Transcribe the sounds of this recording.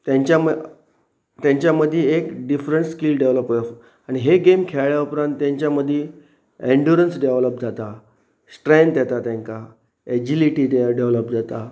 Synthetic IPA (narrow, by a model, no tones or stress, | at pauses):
t̪jãɲt͡ɕa | t̪jãɲt͡ɕjaməd̪ʱːjeekɖifɾəɳʈskilɖeʋləpə | aɽ̃iɦeɡemkʰeɭɭjaupɾãnt̪ːjãɲt͡ɕjaməd̪ʱːje | ẽɳɖjuɾənsɖeʋləp̚d͡zat̪a | sʈɾẽnt̪jɛt̪at̪jãŋka | ed͡ʑiliʈiɖeʋləp̚d͡zat̪a